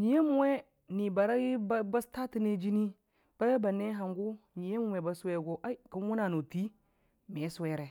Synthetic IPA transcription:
ɲi˨je˦mu˨we˦ | ni˨ba˨ɾa˦ɡi˦bba˦sta˦ti˦ne˦d͡ʒi˦ni˦ | b̥a˦ja˦ba˨ne˦ɦa˨ŋɡu˦ɲi˨je˦mu˨we˨ba˨˦swe˦˨ɡo˦ʔa˦i˦ku˦nwu˦na˨no˨ti˦ | me˨˦swe˦ɾe˨

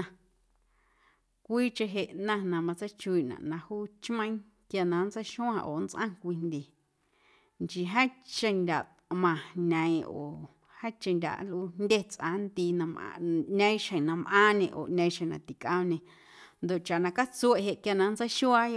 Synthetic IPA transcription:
ã˧ | kʷiː˦t͡ʃe˧ɦe˧ʔnã˦˧nã˧mã˧t͡sa˦t͡ʃu˧i˧ʔnã̰˨ʔnã˧huː˦t͡ʃmə̃˦ĩ˦ | kja˧nã˨˦n˦t͡sa˦jʃũ˦ã˧ʔo̰˨nt͡sʔã̰˦kʷi˧nd̪ʲe˨ | nt͡ʃi˧ɦa˦t͡ʃẽ˧˨nd̪ʲa˨ʔt̪mã˨nã˨ĩ˧ʔo̰ː˨ | ha˦t͡ʃẽ˧ndʲa̰˨ʔlʔu˧˦nnd̪ʲe˦t͡sʔã̰˨˦nt̪i˧nã˧mʔnã˧ĩ˦ʃẽ˨nã˧mʔãː˦ɲẽ˧ʔo̰˨ʔnã˧ĩ˧ʃẽ˨nã̰˨t̪i˨kʔã˧m˧nẽ˧ | nd̪o˨ʔt͡ʃa˨ʔnã˧ka˦t͡su˧e˦˨ʔɦe˧ʔkja˧nã˧nt͡sa˦ʃu˦a˦jo˧

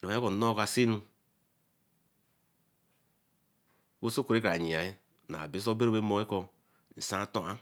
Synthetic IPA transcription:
ɾi˨a˨˦e˦ko˨no˦ka˨si˦nu˦ | ko˦so˦ku˨ɾe˦k̬a˨ɲi˨a˨e˦ | na̰˨bi˦s̬o˦be˦ɾo˦be˦mo˨˦e˦ko˨ | n̩˨sã˦to˦a˦

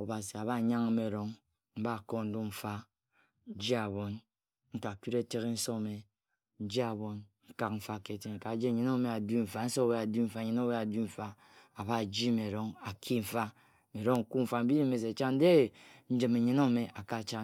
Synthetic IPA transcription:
o˨ba˨si˨a˨βa˦˨ɲa˦ŋ˦me˨ɾo˨ŋ | m̩˦ba˦˨ko˦n̩˦du˦ɱ̩˨fa˦ | d͡ʒi˦a˨βo˨n | ŋ̩˦ka˨ki˦ɾe˦te˦ɣe˦n̩˦so˦˨me˨ | n̩˦d͡ʒi˦a˨βo˨nŋ̩˦ka˦k̚ɱ̩˨fa˦˨ke˨te˦ŋ˨ka˨d͡ʒe˦˨ɲe˨˦no˦me˨a˨du˦ɱ̩˨fa˨n̩˦so˦we˦a˨di˦ɱ̩˨fa˨ɲe˨no˦we˦a˨du˦ɱ̩˨fa˦ | a˨ba˦˨d͡ʒi˦me˨ɾo˦ŋa˨kʰi˦ɱ̩˨fa˦ | me˨ɾo˦ŋ̩˨ku˦ɱ̩˨fa˨m̩˦bi˦i˦me˨s̬e˨t͡ʃa˦n̩˦de˦˨n̩˦d͡ʒɨ˨me˨ɲe˦no˦˨me˨ʔa˨ka˦˨t͡ʃa˦

